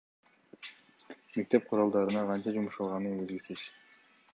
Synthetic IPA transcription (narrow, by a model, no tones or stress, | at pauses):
me̞k̚t̪e̞p̚qʰʊɾolˠd̪ɑɾɯnɑqʰɑnt͡ʃɑd͡ʒumuʃɑlˠʁɑnɯnbelɡʲisiʃ